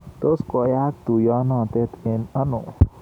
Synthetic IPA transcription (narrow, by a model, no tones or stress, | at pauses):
t̪oskɔjak̚t̪ujanɔ̃t̪et̪enənṵ